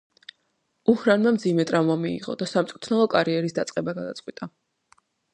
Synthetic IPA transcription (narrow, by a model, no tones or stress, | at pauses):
uhɾanmamd̪zimɛt̪ʼɾavmamiḭʁɔ̰d̪asamt̪sʼkʼu̥t̪ʰnalˠɔkʼaɾiɛɾisd̪at̪sʼqʼɛbaɡad̪a̰t̪sʼqʼwit̪ʼa